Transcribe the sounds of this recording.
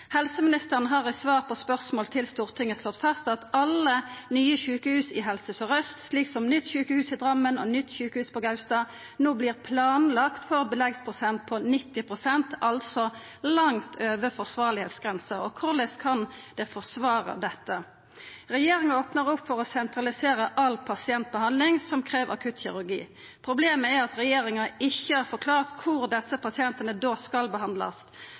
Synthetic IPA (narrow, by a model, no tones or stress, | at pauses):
hɛlsəmɪnɪst̪əʁənəɦɑːʁɪsʋɑːʁpʰɔspœʁsmoːlt̪ʰɪlst̪uːʁt̪ʰɪŋːəslɔt̪ːfɑst̪ɑt̪ɑlːənyːəçʉːkəhʉːsɪɦɛlsəsɔʁœst̪sliːksɔmnʏt̪ːçʉːkəhʉːsɪd̪ʁɑmːənɔnʏt̪ːçʉːkəhʉːspɔɡɑʉst̪ɑː | noːbliːʁpʰlɑːnlɑkt̪fɔʁbəlɛɡspʰʁʊsɛnt̪̚pʰɔnɪt̪ːɪpʰʁʊsɛnt̪ʔɑlt̪sɔ | lɑŋt̪ʰøːʋəfɔʁsʋɑːʁɭɪheːt̪sɡʁɛnsəɔkʰʊʁlɛskʰɑnd̪ɛfɔʁsʋɑːʁə̰d̪ɛt̪ːə | ʁɛjeːɾɪŋɑoːpnəʁʊpːfɔʁɔsɛnt̪ɾɑlɪseːʁəʔɑlːpʰɑsɪɛnt̪̚bəhɑnd̪lɪŋsɔmkʰʁeːʋɑ̰kʰʉt̪çɪʁʉʁɡḭː | pʰʁʊbleːməæɾɑt̪ʁɛjeːʁɪŋɑɪçːəæɾfɔɾkʰlɑːʁt̪kʰʊɾd̪ɛsəpʰɑsɪɛnt̪ənəd̪oːskɑlbəhɑnd̪lɑ̰s